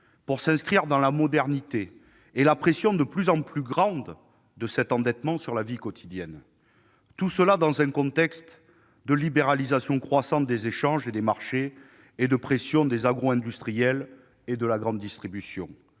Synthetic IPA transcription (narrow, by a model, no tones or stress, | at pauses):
puʁsɛ̃skχiʁd̪ɑ̃lamɔd̪ɛʁnit̪eː | lapχesjɔ̃d̪əplyzɑ̃plyɡʁɑ̃d̪ | d̪əsɛt̪ɑ̃d̪ɛt̪mɑ̃syʁlavikɔt̪ʰid̪jɛn | t̪usəlad̪ɑ̃zɛ̃kɔ̃t̪ɛkst̪ | d̪əlibeʁalizasjɔ̃kχwasɑ̃t̪̚d̪ezeʃɑ̃ʒed̪emaʁʃe | ed̪əpχesjɔ̃d̪ezaɡʁoɛ̃d̪yst̪χijɛl | ed̪əlaɡʁɑ̃d̪ːist̪χibysjɔ̰̃